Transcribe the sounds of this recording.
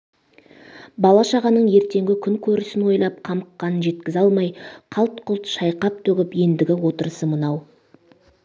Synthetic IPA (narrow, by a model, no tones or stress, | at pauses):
bɑlˠɑʃɑʁɑnəɴje̞ɾt̪e̞ŋɡʲɪkʲʰʏŋkʲʰɵɾɪsɪnwo̞jlˠɑp̚qʰɑməqːɑnənʒe̞t̪̚kʲɪzɑlˠmɑjqʰɑlˠt̪qʰʊlˠt̪ʃɑjqɑp̚t̪ʰɵɡʲɪpje̞nd̪ɪɡʲɪwo̞t̪əɾəsəmənɑw